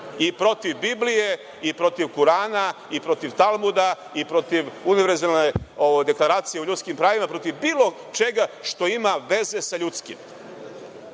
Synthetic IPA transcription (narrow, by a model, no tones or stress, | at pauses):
ipɾo̞t̪iʋbiblije̞ | ipɾo̞t̪iʋkuɾaːna | ipɾo̞t̪iʋt̪alˠmud̪a | ipɾo̞t̪iʋuniʋeɾzaneoʋojd̪e̞klˠaɾaːt̪sijeuʎut̪skimpɾaːʋimapɾo̞t̪iʋbiːlˠo̞ | t͡ʃe̞ɡaʃt̪o̞imaʋe̞ze̞saʎut̪skḭm